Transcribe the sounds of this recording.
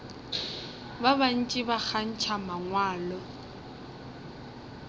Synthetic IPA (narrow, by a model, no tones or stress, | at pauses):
baban̩t͡ʃʼɪbak͡xʰan̩t͡ʃʰamaŋwaːlɔ